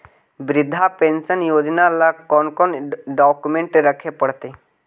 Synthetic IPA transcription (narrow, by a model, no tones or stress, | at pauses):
bɪɾɪd̪ʱːapẽːnsənjoːd͡ʒnalakɔːnkɔnɖaːkumẽːɳʈɾəkʰepəɽt̪eː